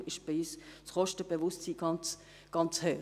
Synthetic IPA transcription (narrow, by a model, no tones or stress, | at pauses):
ɪʃb̥iyːst͡sχɔʃtəb̥evʊstsiːɡ̥ɑnt͡s | ɡ̥ɑnt͡shøː